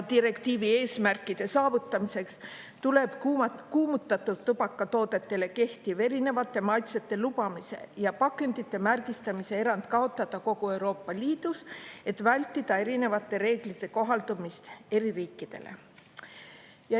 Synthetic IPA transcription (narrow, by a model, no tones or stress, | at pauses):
t̪iɾe̞kt̪iːvie̞ːsmærkːˑid̪̥e̞sɑːvut̪ːˑɑmise̞ks | t̪ule̞b̥kuːmut̪ːˑɑt̪ːˑuːubɑkːɑt̪o̞ːd̪e̞t̪ːe̞le̞ke̞ht̪ive̞ɾine̞vɑt̪ˑːe̞mɑjt̪set̪ːˑe̞lupɑmise̞̰jɑpɑkːˑe̞nd̪̥it̪ːe̞mærkist̪ɑmise̞e̞ɾɑnd̪̥kɑo̞t̪ˑːɑd̪ɑko̞kue̞wɾo̞ːpːɑliːd̪̥use̞t̪vælʲt̪ːid̪̥ɑe̞ɾine̞vɑt̪ːˑe̞ɾe̞ːɡ̥lit̪ːˑe̞ko̞ɦɑld̪umist̪e̞ɾiriːkːˑid̪̥e̞̰lʔe̞̰ | jɑ